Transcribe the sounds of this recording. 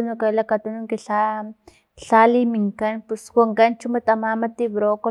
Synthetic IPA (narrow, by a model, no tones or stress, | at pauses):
unukalakat̪unuŋkiɬa | ɬalimiŋkanpuswaŋkant͡ʃumat̪amamat̪iβɾoko